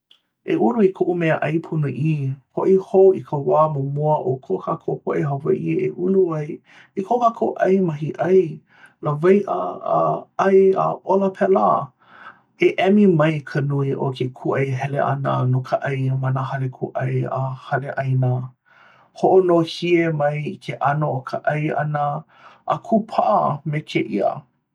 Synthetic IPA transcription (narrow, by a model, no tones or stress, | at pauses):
ʔeʔuluikʰoʔumɛəʔɐjpʰunuʔipʰoʔihoikʰəwaːmomoəʔokʰokʰakʰopoʔeɦavɐ̰ʔieʔuluɐj | ikʰokakʰoʔɐjmɐɦiʔɐj | ləvajʔə̰ | ɐja̰ʔoləpʰɛla | eʔɛmimɐjkʰənuiʔokʰekʰuʔɐjɦɛlḛʔa̰nənokʰəʔɐjmanəɦɐlekʰuʔɐ̰jahɐleʔɐjnə | hoʔonohiemɐjkʰeʔanookʰəʔɐjɐ̰nə | ʔːkʰupʰaʔɐmekʰeʔiə̰